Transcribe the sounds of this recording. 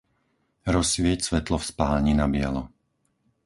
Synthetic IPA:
ɾɔsʋɪɛcsʋɛt̪lɔfspaːɲinabɪɛlɔ

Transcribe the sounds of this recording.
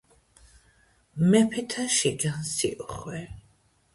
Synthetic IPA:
mɛpʰɛt̪ʰaʃiɡansḭʔɔχwɛ

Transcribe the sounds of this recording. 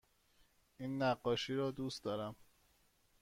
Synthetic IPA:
iːnːæɢːɒːʃiːɾɒːd̪uːst̪d̪ɒːɾæm

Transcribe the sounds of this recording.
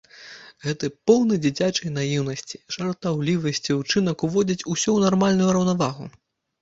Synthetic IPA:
ɣɛt̪ɨpɔwnɨd͡zʲit͡sʲat͡ʂɐjn̪ajiwn̪ɐsʲt͡sʲi̥ʐ̥ɐrt̪awlʲivɐsʲt͡sʲiut͡ʂɨn̪ɐkuvɔd͡zʲit͡sʲusʲɔwnarmalʲnujuɾɐwnavaɣṵ

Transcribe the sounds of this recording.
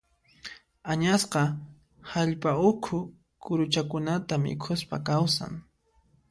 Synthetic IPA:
aɲasqɑ | haʎpaʊkʰʊ | kʊɾʊt͡ʃakʊnat̪amɪ̰kʰʊspa̰kawsa̰ŋ

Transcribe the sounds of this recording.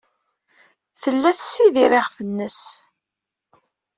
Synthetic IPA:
θəlːæθsːiðiɾeʁfənːəs

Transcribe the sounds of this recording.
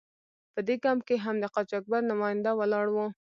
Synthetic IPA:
pəd̪eɡamkeɦamd̪əqɑt͡ʃɑk̚baɾnʊmɑjɪnd̪awəlɑɽwu

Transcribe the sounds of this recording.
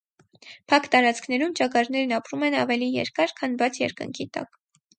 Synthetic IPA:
pʰɑkt̪ɑɾɑt͡skʰnɛɾumt͡ʃɑkɑɾnɛɾnɑpɾumɛnɑvɛlijɛ̰ɾkɑɾkʰɑnbɑt͡sʰjɛɾkə̰ŋkʰit̪ɑ̰k

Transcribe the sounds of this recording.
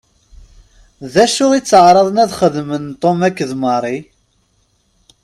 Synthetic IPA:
ðæʃʊʁit͡sːəʕɾˤɑðˤnæðχəðmənt̪ˤːomækːəðmɑɾˤi

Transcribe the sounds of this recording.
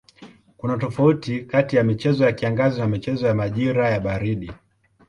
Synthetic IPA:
kunatɔfautikatijamit͡ʃɛzɔjakiaŋɡazɔnamit͡ʃɛzɔjamaʄiɾajaɓaɾiɗi

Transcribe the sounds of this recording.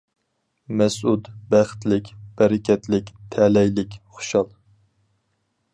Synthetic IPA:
mɛsud̪bæχt̪ʰlɪkʲb̥ɛɾɪkʲʰɛt̪lɪkʲt̪ʰɛlɛjlɪkʲχʊ̥ʃɑlˠ

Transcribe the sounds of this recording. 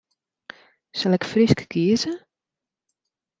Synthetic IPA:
salɛkfriskkʰiəzə

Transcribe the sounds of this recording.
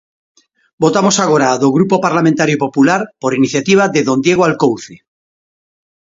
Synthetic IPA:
bo̞t̪amosaɣ̞oɾaðoɣ̞ɾupopaɾlamẽnt̪aɾjopo̞pulaɾpoɾiniθjat̪iβ̞aðeðõ̞nd̪jeɣ̞oalkowθe

